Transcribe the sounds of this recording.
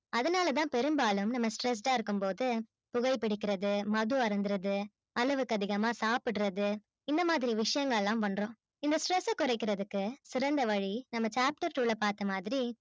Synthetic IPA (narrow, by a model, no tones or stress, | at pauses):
ɐðɐnaːlɐt̪̬ãːpɛɾɯmbaːlɯmnɐmːɐsʈɾɛs̬ʈãːɪɾɯkːɯmpoːðɯ | pʊɣɐɪpːɪɽɪkːɪɾɐðɯmɐðɯɐɾɯnd̪ɯɾɐðɯ | ɐlɯʋɯkːɐðɪɣɐmaːsaːpɪɽɯɾɐðɯ | ɪnd̪ɐmaːðɪɾiʋɪʂɐjɐŋɡɐɭɛlːãːʋɐnɾõː | ɪnd̪ɐsʈɾɛsɐkːʊɾɐɪkːɪɾɐðɯkːɯsɪɾɐnd̪ɐʋɐɻinɐmːɐt͡ʃaːp̚ʈɐɾʈuːɭɐpaːɾt̪ɐmaːðɪɾi